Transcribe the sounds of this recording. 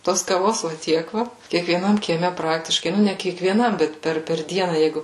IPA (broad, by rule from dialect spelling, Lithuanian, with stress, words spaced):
ˈtoːs kɐˈʋoːs ʋɐ ˈtʲiɛk ˈʋɐ kʲiɛkʋʲiɛˈnɐm kʲiɛˈmʲɛ ˈprɑːktʲɪʃkɐɪ ˈnʊ nʲɛ kʲiɛkʋʲiɛˈnɐm ˈbʲɛt ˈpʲɛr pʲɛr ˈdʲiɛnɐ ˈjɛɪɡʊ